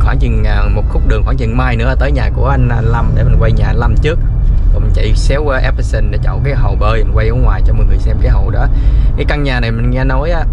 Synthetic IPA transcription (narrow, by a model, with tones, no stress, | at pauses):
xwaː˧˩ŋt͡ɕɨ˨˩na˨˩mo˨˩t̚xʊ˦˥k͡p̚ɗɨ˨əŋxwaː˧˩ŋt͡ɕɨ̰˨˩ŋmaː˧jnɨ̰˧˥ə˦˧t̪əː˨˦jɲaː˨˩ku˧˩əʔa˧ŋ̟a˧la˧mɗe˧˩mi˨˩ŋwa˧jɲaː˨˩la˧mt͡ɕɨ˦˥ək̚kɔ˨˩ŋ͡mt͡ɕa̰˧˨˩jsɛ˨˦wʔɛ˦˥psə˧˩nɗe˨˩t͡ɕɔ̰˧˨wk̬aː˨˦jɦə˨˩wɓəː˧i˨˩ŋkwa˧jʔɔː˨˦ŋwaː˨˩jt͡ɕɔ˧mɔ˨˩ŋɨ˨˩əjsɛ˧mkaː˨˦ɦə˨˩wɗɔ˨˦kaː˨˦jkaː˧ŋɲaː˨˩na˨˩jmï˨˩ŋ̟ŋɛ˧no˨˦jʔaː˨˦